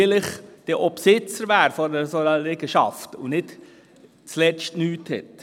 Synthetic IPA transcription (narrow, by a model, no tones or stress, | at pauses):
lɪχd̪̥əʔɔpsɪt͡səɾʋæːɾfɔɾəsonəlɛɡəʃɑ̰ftʊnɪt | t͡slɛt͡ʃtnyːthɛ̰t